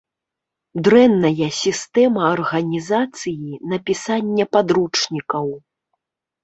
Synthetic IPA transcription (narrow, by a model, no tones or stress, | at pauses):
d̪ɾɛnːɐjɐsʲist̪ɛmɐːrɣɐnʲizat̪sɨjinɐpʲisanʲːɐpad̪ɾut͡ʂnʲikɐw